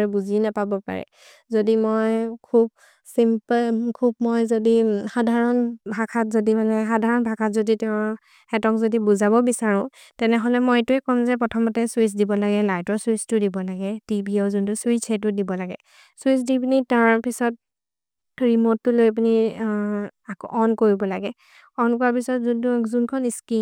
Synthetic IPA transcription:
ɹɛbuzinapabɔpa̰ɹɛ̰ | zodimojkʰub̚ | simplkʰub̚mojzodixadʱaɹɔnbʱakʰatzodimanɛxadʱaɹɔnbʱakʰatzoditɛʊ̃ | hɛtɔkzodibuzaβɔbisaɹʊ̃ | tɛnɛɦɔlɛmojtʊɛkɔmzɛpɹɔtʰɔmɔtɛswis̬dibɔlaɡɛlajtɔswistʊdibɔlaɡɛtibiɔzʊntʊswit͡ʃʰɛt̬ʊdibɔlaɡɛ | swisdipunitaɹpisɔt̚ | ɹimɔtːʊlojap̬uni | akɔʔɔnkoɹibɔlaɡɛ | ɔnkɔɹapisɔtzuntʊkzunkʰɔniski

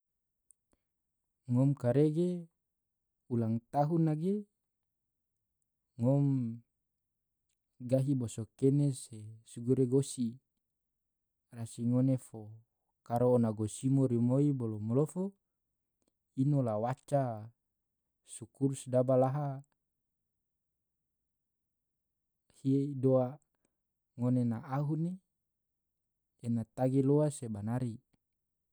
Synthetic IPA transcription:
ŋɔmkaɾeɡe | ulaŋt̪aɦunaɡe | ŋom | ɡaɦibosokenesesuɡuɾeɡosi | rasiŋonefo | kaɾoːnaɡosimoɾimoibolomolofo | inolawat͡ʃa | sukuɾusdabalaɦa | hiedoa | ŋonenaʔaɦune | nat̪aɡeloasebanaɾi

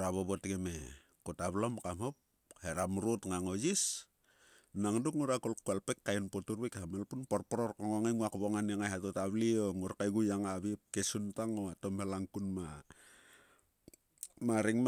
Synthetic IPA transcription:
ɾaβoβotɡeme | kotaβlomkamhop̚ | heɾamɾotŋaŋod͡ʒis | naŋdukŋuɾakolkualpe̞kːajinpotuɾβekhamelpunporpoɾorkoŋoŋeŋuakβoŋaneŋajhatotaβlioŋuɾkajɡujaŋaβip̚kesuntaŋoatomhelaŋkunma | maɾiŋm

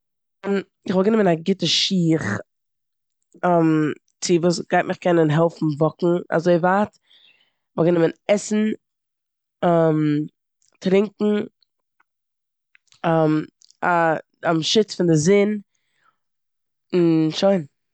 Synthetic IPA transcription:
ʊn | ɪχvɔlˠɡənɪmənaɡɪtəʃiːχ | am | t͡sɪvuːsɡ̥aɪt̚mɪχkɛnənɦɛlˠfn̩vɔkŋ̩a̰zoɪvaːt | χvɔlˠɡənɪmənɛsn̩ | am | tɾɪŋkŋ̩ | am | a | amʃɪt͡sfɪndɪzɪn | nʃoɪn

